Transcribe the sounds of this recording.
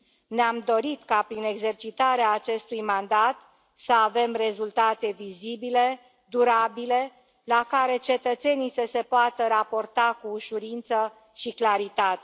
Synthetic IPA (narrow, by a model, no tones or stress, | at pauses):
neamd̪o̞ɾit̪kapɾine̞ɡze̞rt͡ʃit̪aɾeaːt͡ʃe̞st̪ujmand̪at̪ | səave̞mre̞zult̪at̪e̞vizibile̞ | d̪uɾabile̞ | lakaɾe̞t͡ʃe̞t̪ət̪se̞nisəse̞poat̪əɾapo̞rt̪akuːʃuɾint̪sə | ʃiklaɾit̪at̪e